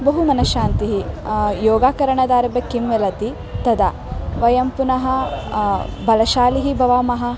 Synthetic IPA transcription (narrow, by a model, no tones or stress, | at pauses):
bɐɦumɐnɐʃaːnt̪iɦijɔːɡaːkɐɾɐɳɐd̪aːɾɐbɐkimʋelɐt̪i | t̪ɐd̪a̰ | ʋɐjɐmpunɐɦɐ | bɐlɐʃaːliɦibʱɐʋaːmɐɦɐ